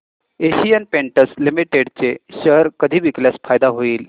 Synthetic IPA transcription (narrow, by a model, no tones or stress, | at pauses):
eɕijənpeɳʈəslimiʈeɽt͡seɕəɦɾkəd̪ʱiːʋikljasfajd̪aɦoiːl